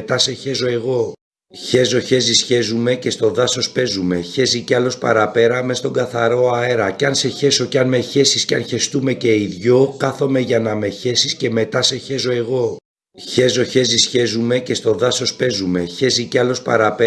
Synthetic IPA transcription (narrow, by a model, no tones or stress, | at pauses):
t̪ɐse̞çe̞zo̞e̞ɣo̞ | çe̞zo̞çe̞zisçe̞zume̞ce̞st̪o̞ðɐso̞spe̞zume̞çe̞ziceɐlo̞spɐ̰ɾɐpe̞ɾɐme̞st̪o̞ŋɡɐθɐɾo̞ɐe̞ɾɐceɐnse̞çe̞so̞ceɐnme̞çe̞sisceɐnçe̞st̪ume̞ce̞iðʝo̞kɐθo̞me̞ʝɐnɐme̞çe̞sisce̞me̞t̪ɐse̞çe̞zo̞e̞ɣo̞ | çe̞zo̞çe̞zisçe̞zume̞ce̞st̪o̞ðɐso̞spe̞zume̞çe̞ziceɐlo̞spɐɾɐpe